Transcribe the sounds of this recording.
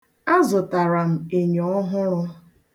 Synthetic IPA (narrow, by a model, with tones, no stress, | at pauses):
a˦zʊ˨ta˨ɾa˨m̩˨e˨ɲɔ˨ɔ˦ɦʊ˦ɾʊ˦